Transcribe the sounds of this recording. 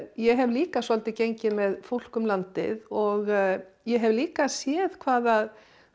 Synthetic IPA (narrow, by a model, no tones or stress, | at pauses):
jɛɦɛvliːkasɔlt̪ɪcejɲcɪmɛðfowl̥kʏmlant̪ɪ̰ðɔɣjɛɦɛvliːkasjɛːðkʰvaːðað